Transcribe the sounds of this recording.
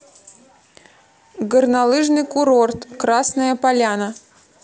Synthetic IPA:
ɡərnalˠɨʐnɨjkʊɾort̪kɾasnəjəpalʲanə

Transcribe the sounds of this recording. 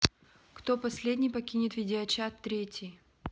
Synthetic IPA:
kt̪opɐsʲlʲedʲnʲɪjpɐkʲinʲɪt̪vʲɪdʲɪɐt͡ɕat̪ːɾʲetʲɪj

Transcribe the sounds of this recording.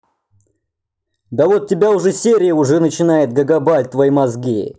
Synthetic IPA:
d̪ɐvot̪̚ʲːɪbʲaʊʐɛsʲeɾʲɪjəʊʐɛnət͡ɕɪnajɪt̪̚ɡəɡɐbalʲt̪vɐjimɐzɡʲi

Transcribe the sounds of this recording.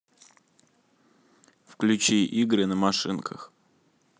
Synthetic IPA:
fklʲʉt͡ɕiʔiɡɾɨnəmɐʂɨnkə̰x

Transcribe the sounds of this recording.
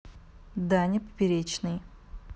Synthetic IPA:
d̪anʲɪpə̥pʲɪɾʲet͡ɕnɨj

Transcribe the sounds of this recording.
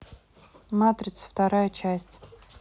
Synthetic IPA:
mat̪ɾʲɪt̪sə̥ft̪ɐɾajət͡ʃʰæsʲtʲ

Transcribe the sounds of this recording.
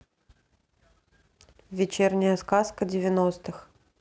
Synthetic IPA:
vʲɪt͡ɕernʲɪjəskaskədʲɪvʲɪnost̪ɨx

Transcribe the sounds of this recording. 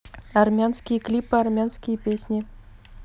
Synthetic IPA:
armʲanskʲijəklʲipːəarmʲansʲkʲijəpʲesʲnʲi

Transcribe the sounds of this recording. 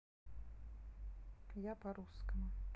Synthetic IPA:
japɐɾuskɐmʊ

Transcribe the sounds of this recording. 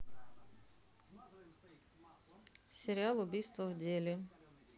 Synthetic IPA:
sʲeɾʲɪalˠʊbʲijst̪ʋɔwdʲilʲɪ

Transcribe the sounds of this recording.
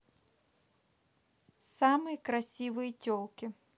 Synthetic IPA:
sɑmɨjɐkɾɐsʲiʋɨjitʲɔlˠkʲɪ

